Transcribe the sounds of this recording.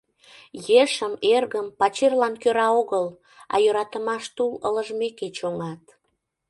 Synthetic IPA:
jeʃəmerɣəmpɑt͡ɕerlɑnkøɾɑoɣəl | ɑ̰jøɾɑt̪əmɑʃt̪ulə̰ləʒmeket͡ɕoŋɑt̪

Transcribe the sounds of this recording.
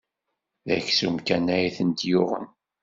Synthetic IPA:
ðæçsumkænæjθənt̪jʊʁə̰n

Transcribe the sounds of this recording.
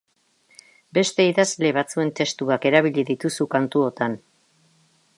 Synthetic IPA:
be̞st̪e̞iðazle̞βat͡sue̞nt̪e̞st̪uake̞ɾaβ̞iʎiðit̪usukant̪uo̞t̪an

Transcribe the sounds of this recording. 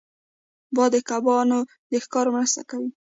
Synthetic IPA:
bɑd̪əkabɑno | d̪əxkɑɾomɾəst̪akawi

